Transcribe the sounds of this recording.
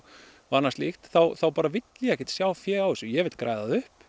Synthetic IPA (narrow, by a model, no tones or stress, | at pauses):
vanːast̪lixt̪θawθawpaːɾavɪt̪ljɛhcɪt̪sjaːwfjɛːawðɪsʏjɛvɪt̪kɾaːjðaðʏhp